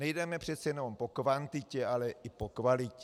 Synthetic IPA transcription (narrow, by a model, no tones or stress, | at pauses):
nɛjdɛmɛpr̝̥ɛt̪sɛjɛnompokvant̪ɪcɛalɛʔɪpokvalɪcɛ